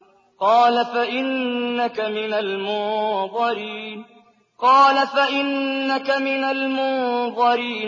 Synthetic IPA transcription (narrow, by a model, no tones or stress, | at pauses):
qɑːlafaʔɪnːakamɪnalmʊðˤɑɾiːn | qɑːlafaʔɪnːakamɪnalmʊðˤɑɾiːn